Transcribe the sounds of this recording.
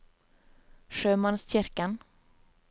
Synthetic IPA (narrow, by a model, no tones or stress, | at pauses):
ʂøːmansɕɪɾkan